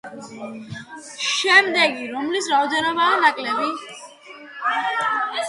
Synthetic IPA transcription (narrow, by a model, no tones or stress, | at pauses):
ʃɛmd̪ɛɡiɾɔmlisɾaɔd̪ɛnɔbaːnakʼlɛbi